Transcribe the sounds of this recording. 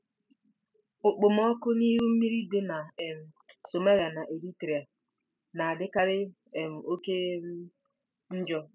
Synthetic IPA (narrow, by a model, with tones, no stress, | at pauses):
ʊ˨k͡pʊ˨mɔ˦kʊ˦ni˦ɦu˦m̩˦mi˦ɾi˦de˦na˨e˨m̩˨so˨ma˦ɾa˨na˨ʔe˨ɾi˦tɾi˨a˨ | na˨a˨dɪ˦ka˦ɾɪ˦ | e˨m̩˨o˦ke˦ | n̩˦d͡ʒɔ˦